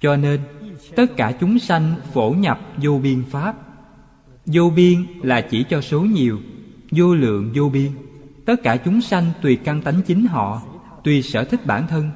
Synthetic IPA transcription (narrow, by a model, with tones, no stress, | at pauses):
t͡ɕɔ˧ne˧nt̪ə˦˥t̚kaː˧˩t͡ɕʊ˨˦ŋ͡msa˧jŋ̟fo˧˩ɲa˨˩p̚zo˧ɓi˧ənfaː˦˥p̚ | zo˧ɓi˧ənla̰ː˨˩t͡ɕi˧˩t͡ɕɔ˧so˨˦ɲi˨˩əw | zo˧lɨ̰˧˨əŋzo˧ɓi˧ənt̪ə˦˥t̚kaː˧˩t͡ɕʊ˨˦ŋ͡msa˧jŋ̟t̪wi˨˩ka˧ŋt̪a˨˦jŋ̟t͡ɕï˨˦ŋ̟ɦɔ̰˧˨ | t̪wi˨˩səː˧˩t̪ʰï˦˥k̟̚ɓaː˧˩nt̪ʰə˧n